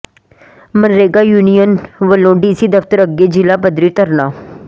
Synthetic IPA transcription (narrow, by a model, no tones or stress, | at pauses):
mənɾeːɡaːjuːnijənʋəlõːɖiːsiːd̪əft̪əɾəɡːeːd͡ʒɪlaːpəd̪ɾiːt̪əɾnaː